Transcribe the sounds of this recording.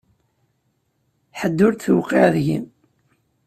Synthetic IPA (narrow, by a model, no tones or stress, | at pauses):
ħəd̪ːʊɾt̪θwqeʕðʝḭm